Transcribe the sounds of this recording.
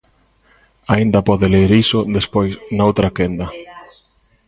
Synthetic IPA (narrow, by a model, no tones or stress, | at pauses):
aind̪ɐpɔðɪleɾisʊðespojsnaowt̪ɾakend̪ɐ